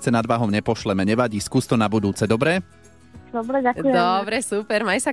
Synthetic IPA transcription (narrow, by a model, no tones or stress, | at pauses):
t͡sɛnad̪ʋaːɦɔmɲɛpɔʃlɛmɛɲɛʋaɟiskuːst̪ɔnabud̪uːt͡sɛd̪ɔbɾɛ | d̪ɔbɾɛɟakd̪ɔbɾɛsupɛɾmajsa